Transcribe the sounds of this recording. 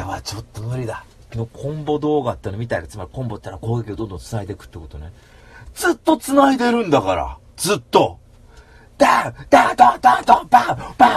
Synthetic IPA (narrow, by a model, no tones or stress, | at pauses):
eβat͡ɕo̞t̪ːo̞mɯ̟ɾʲid̪a | kʲino̞kʰõ̞mbo̞d̪o̞ːɡat̪ːenomʲit̪aiɡḁt͡sɨmaɾʲikõ̞mbo̞t̪t̪ːaɾako̞ːɡe̞kʲiod̪ond̪õnt͡sɨnaid̪e̞kɯ̟̥t̪ːekot̪one | d͡zɨt̪ːo̞t͡sɨnaid̪e̞ɾɯ̟̃nd̪akaɾa̰ | d͡zɨt̪ːo̞ | d̪ad̪at̪at̪at̪abapa